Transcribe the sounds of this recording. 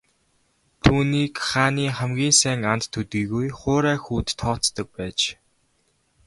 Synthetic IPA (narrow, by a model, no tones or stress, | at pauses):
t̪ʰuːniːkχaːniːχæmɡʲiːnsæːŋant̪ʰːɵt̪ɡiːɣujχʊːɾæːxuːt̪ʰːɔːt͡st̪ə̆k̚pæːt͡ɕ